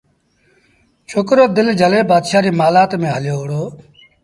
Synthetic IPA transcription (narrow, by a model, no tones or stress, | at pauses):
t͡ʃʰoːkɾoːd̪ɪld͡ʒʱəleːbaːd̪ʃaːɾiːmaːlaːt̪mẽːɦəljoːɦɽoː